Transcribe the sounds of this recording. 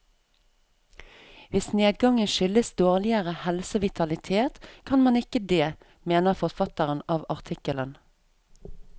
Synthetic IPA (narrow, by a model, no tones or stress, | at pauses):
ʋɪsneːd̪ɡɑŋənʃʏləsd̪oːʁlɪəʁəhɛlsəʋɪt̪ʰɑlɪt̪ʰeːt̪kʰɑnmɑnɪkəd̪eː | meːnəfɔʁfɑt̪əʁənɑːʋɑʁt̪ʰɪkələn